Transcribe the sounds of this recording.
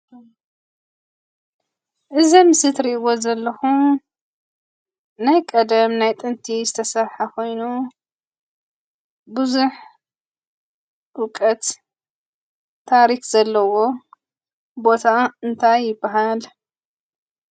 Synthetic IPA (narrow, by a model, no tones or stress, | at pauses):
ʔɨzimɨsɨt̪ɾiɨwo̞zɐlːɐxu | najkʼɐd̪ɐmnajt̪ʼɨnt̪ʰizɨt̪ʰɐsɐɾħakʰo̞jnu | buzuħ | ʔukʼɐt̪ | aɾikz̥ɐlːɐwo̞ | bo̞t̪ʰaɨnt̪ʰajːɪbːaɦal